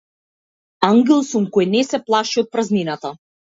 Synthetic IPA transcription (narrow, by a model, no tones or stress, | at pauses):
aŋɡɛlˠsumkɔjnɛsɛplˠaʃiɔt̪̚pɾazninat̪a